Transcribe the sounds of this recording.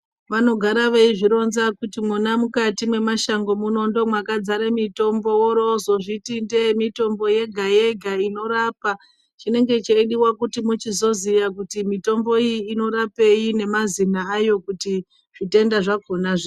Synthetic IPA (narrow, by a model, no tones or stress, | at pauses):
ʋano̞ɡʱaɾaʋeiʐiɾo̞nzakutimunamukatimwe̞maʃaŋɡo̞muno̞ndo̞mwakad͡zaɾemito̞mbo̞woɾo̞zo̞ʐitindemito̞mbo̞je̞ɡʱaje̞ɡʱaino̞ɾaːpa | t͡ʃine̞ŋɡe̞t͡ʃeiɗiwakutimut͡ʃizo̞zijakutimito̞mbo̞ijːno̞ɾape̞jine̞mazinaːjo̞kuti | ʐ̥ite̞ndaʐakonaʐe